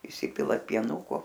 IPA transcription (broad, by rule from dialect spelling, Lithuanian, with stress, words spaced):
iːˈsʲɪpʲɪlˠɐt pʲiɛˈnʊkoː